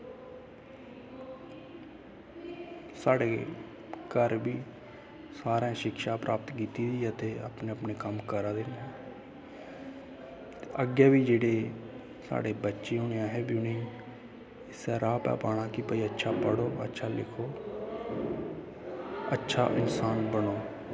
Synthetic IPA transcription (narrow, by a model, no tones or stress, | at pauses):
saːɽeː | kəɾbiː | saːɾãːʃɪkʃaːpɾʔaːpət̪kiːt̪iːd̪iːət̪eːa̰pneːəpneːkəmkəɾaːd̪ɪnː | t̪eːəɡjaːbiːd͡ʒeːɽeː | sa̰ːɽeːbətːʃeːʊːɳejãːɦɛːbjunĩː | ɪsɛːɾaːpɛ̰ːpaːɽ̃aːkɪpəiətːʃʰaːpəɽoːə̰tːʃʰaːlɪ̰kʰoː | ətːʃʰa̰ːʔɪnsaːnbənoː